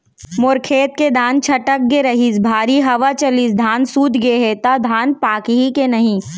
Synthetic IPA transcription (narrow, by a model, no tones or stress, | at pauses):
mʊɾkʰeːt̪̚ked̪ʱaːnt͡ʃʰɐʈək̚ɡeɾɐɦisbʱaːɾiɦɐʋat͡ʃɐliːsd̪ʱaːnsuːt̪ɡeɦet̪ad̪ʱaːnpaːkɦikenɐɦĩː